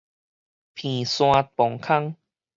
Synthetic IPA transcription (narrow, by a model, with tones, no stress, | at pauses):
pʰĩ˨˩sw̃ã˧pɔ˨˩˦ŋkʰa˥˧ŋ